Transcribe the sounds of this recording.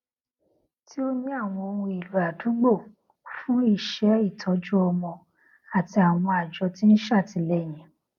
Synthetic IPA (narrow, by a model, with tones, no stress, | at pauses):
ti˦o˦nĩ˦a˦˨w̃ɔ̃˧o˧wũ˧i˨lu˨a˨du˨˦ɡ͡bo˦˨ | fũ˦i˦˨ʃɛ˨˦i˦˨tʰɔ˨˦d͡ʒu˦ɔ˧mɔ̃˧ | a˨ti˧a˨w̃ɔ̃˧a˨d͡ʒɔ˧ti˦n̩˦ʃa˦˨ti˨˦lɛ˦˨j̃ɛ̃˨